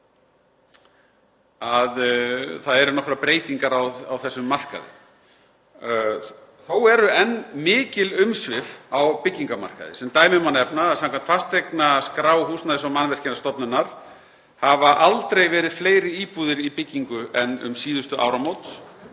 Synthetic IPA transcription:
aðθaðɛɾʏnɔhkɾapɾeːjt̪iŋkaɾawawθɛsːʏmːar̥ka̰ðɪ̰ | θowɛɾʏɛnmɪːcɪlʏmsvɪfawpɪcːiŋkama̰r̥ka̰ðɪ̰sɛmt̪aːjmɪmanːɛpnaaðsãmkʰan̥t̪fast̪ejknaskɾaːwɦuːsnaðɪsɔmanvɛr̥cɪnast̪ɔpnʏnaɾ̥ | havaʔalt̪ɾejvɛːɾɪð̥fleːjɾɪiːpuðɪɾipɪcːiŋkʏʔɛnʏ̰msiːðʏst̪ʏʔa̰ːwɾamowt̪s

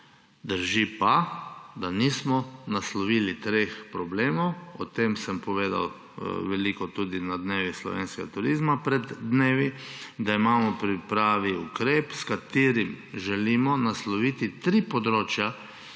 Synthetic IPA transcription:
d̪əɾʒipad̪aniːsmɔnaslɔʋiːlit̪ɾexpɾɔbleːmɔwɔt̪emsəmpɔʋeːd̪a̰w | ʋɛlikɔt̪uːd̪inad̪neːʋislɔ̰ʋḛːnskɛɡat̪uɾiːzmapɾɛd̪ːneːʋid̪aimaːmɔpɾipɾaːʋiukɾeːpskat̪eːɾimʒɛlimɔnaslɔʋiːt̪it̪ɾiːpɔd̪ɾoːt͡ʃja

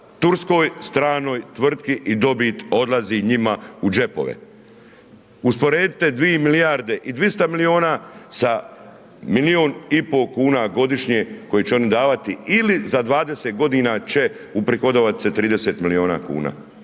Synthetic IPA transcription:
t̪uɾsko̞ːjst̪ɾaːno̞ːjt̪ʋr̩t̪kiʔid̪o̞bit̪o̞d̪lˠaziɲimaud͡ʒe̞po̞̰ʋḛ | uspo̞ɾeːd̪it̪ed̪ʋijemilijaɾd̪e̞ʔid̪ʋist̪amilio̞ːnasa | milioːnipo̞kuːnaɡo̞d̪iʃɲeko̞jit͡ɕeo̞nid̪aːʋat̪iilizad̪ʋaːd̪e̞seːt̪̚ɡo̞d̪iːnat͡ɕe̞ | upɾixod̪oʋat̪i̥set̪ɾiːd̪eseːt̪milio̞ːna̰ːkṵːna̰ː

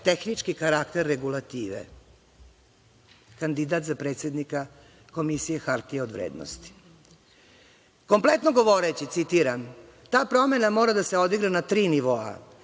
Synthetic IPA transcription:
t̪exnit͡ʂkikaɾakt̪eɾːeɡulˠat̪iːʋḛ | kand̪id̪at̪zapɾet̪sje̞d̪nika | ko̞misijexaɾt̪ieod̪ʋɾḛːd̪no̰st̪i̥ | ko̞mplet̪noɡo̞ʋo̞ɾet͡ɕit̪sit̪iɾam | t̪aːpɾo̞me̞namo̞ːɾad̪aseo̞d̪iɡɾanat̪ɾiːniʋo̞a̰

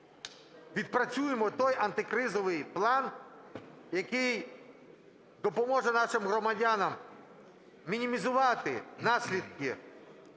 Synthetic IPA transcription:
ʋʲid̪̚pɾɐt͡sʲujɪmɔt̪ɔjɐnt̪ɪkɾɪzɔʋɪjplˠɑn | jɐkɪj | d̪ɔpɔmɔʒɛnɑʃɪmɦɾɔmɐdʲanɐm | mʲinʲimʲizʊʋɑt̪ɪnɑsʲlʲid̪̚kʲɪ

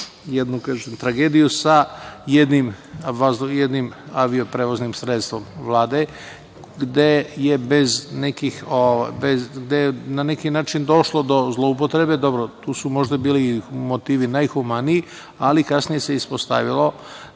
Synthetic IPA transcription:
jed̪nukazemt̪ɾaɡeːd̪ijusajed̪nim | azjed̪nimaʋio̞pɾeʋoznimsɾet̪st̪ʋo̞mʋlˠaːd̪e̞ | ɡd̪eje̞beznekixoʋa̰jbezɡd̪ejenanekinaːt͡ʃind̪o̞ʃlo̞d̪o̞zlˠo̞up̬ot̪ɾe̞be̞d̪o̞bɾot̪uːsumo̞ʒd̪abiːlimot̪iːʋinajxumaniː | alikasnije̞seispost̪a̰ʋilˠo̞

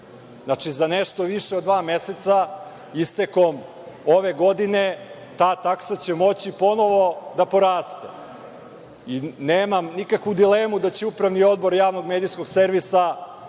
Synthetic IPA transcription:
nat͡ʂizaneʃt̪o̞ʋiʃeod̪ːʋaːmeset̪sa | ist̪eko̞m | o̞ʋeɡo̞d̪ine | t̪aːt̪aksat͡ɕemo̞t͡ɕipo̞no̞ʋo̞d̪apo̞ɾaːst̪ḛ | ineːmamnikakʋud̪ileːmud̪at͡ɕeupɾaʋnio̞d̪bo̞ɾjaːʋno̞ɡmeːd̪isko̞ɡse̞ɾʋisa

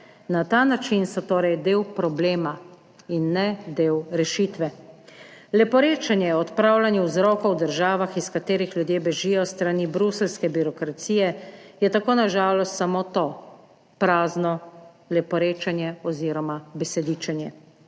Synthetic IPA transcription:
nat̪aːnat͡ʃinsɔt̪oːɾɛjd̪eːwpɾɔbleːma | inːɛd̪eːwɾɛʃit̪ʋɛ | lɛpɔɾeːt͡ʃanjɛɔt̪pɾaːwlanjɛwzɾɔːkɔwd̪əɾʒaːʋaxiskat̪eːɾixljud̪jeːbɛʒijɔst̪ɾanibɾuslskɛbiɾɔkɾat̪siːjɛjɛt̪akoːnaʒaːlɔst̪samot̪o | pɾaːznɔ | lɛpɔɾeːt͡ʃanjɛɔziːɾɔmabɛsɛd̪iːt͡ʃɛnjɛ

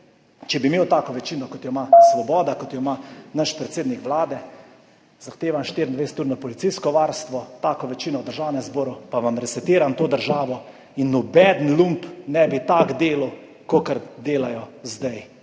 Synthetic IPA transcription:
t͡ʃɛbimeːwt̪aːkɔʋɛt͡ʃiːnɔkɔt̪jɔmasʋɔbɔːd̪akɔt̪jɔmanaʃpɾɛt̪seːd̪nikʋlaːd̪ɛ | zaxt̪eːʋamʃt̪iɾind̪ʋɛjsɛ̥t̪uːɾnɔpɔlit̪siskɔʋaːɾst̪ʋɔt̪aːkɔʋɛt͡ʃiːnɔwd̪əɾʒaːwnɛmzboːɾupaʋamɾɛsɛt̪iːɾamt̪oːd̪əɾʒaːʋɔ | inːɔbɛd̪nlumpnɛbit̪aɡd̪eːlaw | kokəɾd̪eːlajɔzd̪aj

